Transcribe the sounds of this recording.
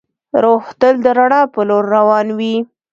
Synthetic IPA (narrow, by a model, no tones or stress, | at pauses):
ɾoxt̪əld̪əɾaɽɑpəloɾːawɑnwi